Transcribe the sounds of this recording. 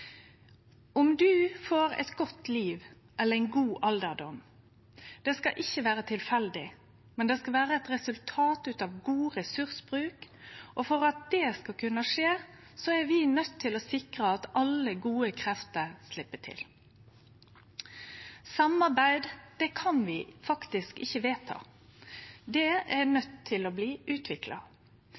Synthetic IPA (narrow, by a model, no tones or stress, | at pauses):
ɔmd̪ʉːfoːɾɛ̰t̪ɡɔt̪ːliːʋ | ʔɛlːəʁæɪnɡuːʔɑld̪əʁd̪ɔm | d̪̥ɛskɑʔɪçːəʋæːɾət̪ʰɪlfɛld̪ɪ | mɛnd̪ɛːskɑlʋæːɾəɛt̪ʁɛsʉlt̪ʰɑːt̪ʉːt̪ɑʋɡuːʁɛsʉʁsbʁʉːkʔɔfɔʁɑt̪̚d̪̥ɛːskɑkʰʉnɑʂeː | sɔɛɾʋɪnœt̪ʰːɪlɔsɪkɾəɑt̪ɑlːəɡuːəkʰɾɛft̪əɾslɪpːəʈʰɪ̰l | sɑmɑʁbæɪd̪d̪̥ɛkʰɑnʋɪfɑkt̪ɪskɪ̰çːəʋeːt̪ʰɑ̰ː | d̪ɛɛnœt̪ʰːɪlɔbliːʔʉːt̪ʋɪklɑ̰